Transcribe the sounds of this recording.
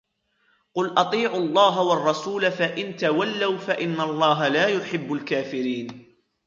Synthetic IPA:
qʊlʔɑt̪ˤiːʕʊlˤːɑːɦawɑrˤːɑsuːlafaʔɪnt̪awalːawfaʔɪnːalˤːɑːɦalaːjʊħɪbːʊlkaːfɪɾiːn

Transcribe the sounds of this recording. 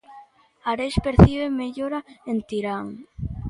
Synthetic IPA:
aɾeʃpeɾθiβemeʎoɾaent̪iɾaŋ

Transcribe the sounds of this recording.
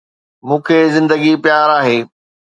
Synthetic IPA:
mũːkʰeːzɪ̃nd̪əɡipjaːɾaːɦeː

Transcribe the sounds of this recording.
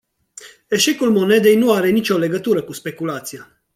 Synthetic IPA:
e̞ʃe̞kulmo̞ne̞d̪e̞jnuaɾe̞nit͡ʃʲo̞le̞ɡət̪uɾəkuspe̞kulat̪sija

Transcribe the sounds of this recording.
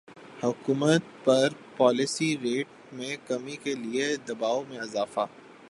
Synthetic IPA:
hʊkuːmət̪̚pɐɾpɔːlɪsiɾeːʈ̚ | mẽkɐmikelied̪ɐbaːomẽɐzaːfa̰ː

